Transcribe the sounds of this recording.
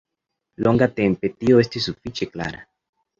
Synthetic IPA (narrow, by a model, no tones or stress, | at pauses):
lo̞ŋɡat̪e̞mpe̞t̪io̞e̞stis̬ːufit͡ʃe̞kla̰ɾa